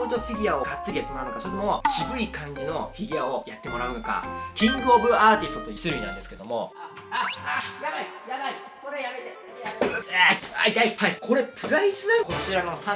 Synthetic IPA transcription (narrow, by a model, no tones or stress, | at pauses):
ot̪oɸʲiɡʲiao̞ɡat̪t͡sɨɾʲijat̪ːemo̞ɾaɯ̟nokasoeemo̞ɕibɯ̟ikʰãɲ̟d͡ʑino̞ɸʲiɡʲiao̞jat̪ːe̞mo̞ɾaɯ̟no̞ka̰kʲĩŋɡɯoːbɯ̟aːt̪ʲisɨ̥t̪o̞t̪o̞isɨɾɯ̟inã̰nd̪esɨ̥ked̪o̞mo̞ | ajabaijabai | soɾejamet̪e | a | a̰id̪aipːaikʰo̞ɾe̞pʰɯ̟ɾaisɨko̞t͡ɕiɾano̞sã